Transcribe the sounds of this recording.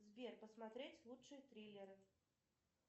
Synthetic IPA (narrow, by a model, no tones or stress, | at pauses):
zvʲerpəsmat̪ɾʲet͡sʲlˠutʂɨjət̪ɾʲilʲɪɾɨ